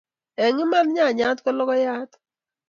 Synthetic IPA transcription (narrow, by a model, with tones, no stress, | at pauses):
ɛ˨ŋɪ˦ma˦n˦ɲa˦˨ɲa˦tkɔ˦lɔ˦kɔ˦ja˦t